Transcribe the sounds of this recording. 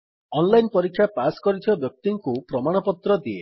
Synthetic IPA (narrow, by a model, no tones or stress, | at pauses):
ɔnlajnpɔɾikʰːjapaskɔɾit̪ʰɔbjɔk̚t̪iŋkupɾɔmaɽ̃ɔpɔt̪ɾɔd̪ie